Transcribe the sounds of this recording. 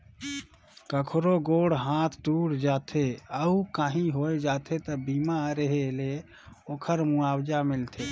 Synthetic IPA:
kəkʰɾoɡoːɽɦãt̪ʰt̪uɽd͡ʒat̪ʰeəukaːɦĩɦoed͡ʒaːt̪ʰet̪əbiːmaɾəɦele | oːkʰəɾmuaːbd͡ʒamɪlt̪ʰe

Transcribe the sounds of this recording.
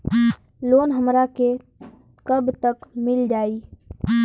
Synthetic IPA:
loːnɦəmɾake | kəbt̪əkmɪld͡ʒaːiː

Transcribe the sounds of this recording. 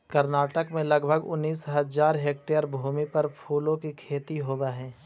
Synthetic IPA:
kɐɾnaːʈəkmẽlɐɡbʱəɡʊ̰nːiːsɦɐzaːɾɦeːk̚ʈejəɾbʱuːmipɐɾpʰuːlõkikʰeːt̪iɦoːbaɦɛ̃ː

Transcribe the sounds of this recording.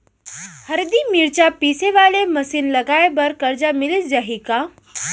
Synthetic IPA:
həɾd̪iːmiɾt͡ɕapiseʋaleməsiːnləɡajebəɾkəɾd͡zamilisd͡zaɦika

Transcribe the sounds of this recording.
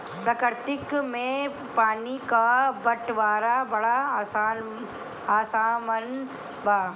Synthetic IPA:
pɾɐkəɾt̪ɪkmẽ | paːnikabɐʈʋaːɾabɐɽasaːn | aːsaːmən | baː

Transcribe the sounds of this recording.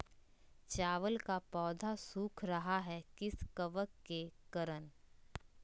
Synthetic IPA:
t͡ʃaːʋəlkapɔːd̪ʱasuːkʰɾɐɦaɦɛkɪskəʋəkːekɐɾən

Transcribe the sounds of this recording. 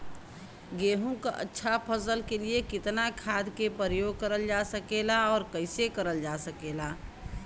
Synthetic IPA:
ɡeːɦõka̰ʔə̰tːʃʰapʰəsəlkeliekɪt̪nakʰaːd̪kepəɾəjoːɡ̚kəɾəld͡ʒasəkeːlaɔːɾkəɪsekəɾəld͡ʒaːsəkeːlaː

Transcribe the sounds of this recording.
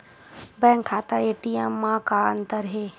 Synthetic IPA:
bɛ̃ːŋkʰːaːt̪aeːʈijãmːãkaːnt̪əɾɦeː

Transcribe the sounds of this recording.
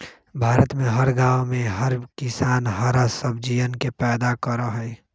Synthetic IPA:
bʱaːɾət̪mẽɦəɾɡaːwmẽɦɐɾkɪsaːnɦəɾasəb̚d͡ʒiʋənkepɛːd̪akəɾəɦɛː

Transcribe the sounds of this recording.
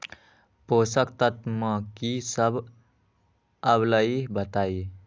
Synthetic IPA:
posəkt̪ət̪mʌkisəb | əbləibət̪ai

